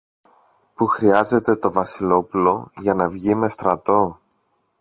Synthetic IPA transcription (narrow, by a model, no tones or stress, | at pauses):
puxɾiɐze̞t̪e̞t̪o̞vɐsilo̞pulo̞ʝɐnɐvʝime̞st̪ɾɐt̪o̞